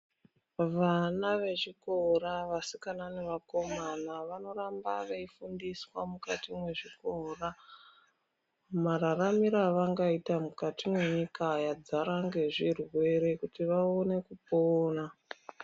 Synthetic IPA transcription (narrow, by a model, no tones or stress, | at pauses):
ʋanaʋe̞ʐikoɾaʋasikananeʋako̞manaʋano̞ɾambaʋeifundiswamukatimwe̞ʐikoːra | maɾaramiɾaʋaŋɡaitamukatimwe̞ɲikajad͡zaɾaŋɡe̞ʐirwe̞ɾekutiʋaone̞kupoːna